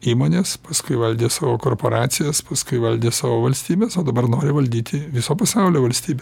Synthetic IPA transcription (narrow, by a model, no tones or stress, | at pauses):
iːmoːnʲeːspɐskʊɪʋɐlʲd̪ʲeːsɑːʋoːkoːrpoːɾɑːt̪sʲɪjɛspɐskʊɪʋɐlʲd̪ʲeːsɑːʋoːʋɐlʲsʲt̪ʲiːbʲeːsoːd̪ɐbɐrnoːɾʲɪʋɐlʲd̪ʲiːt̪ʲɪʋʲɪsoːpɐsɑʊlʲoːʋɐlʲsʲt̪ʲiːbʲe